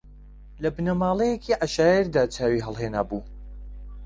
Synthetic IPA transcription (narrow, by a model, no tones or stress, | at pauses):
lɐbɨnɐmaːlˠejekʰiːʔɐʃaːjeɾd̪aːt͡saːwiɦɐlˠɦeːnaːbuː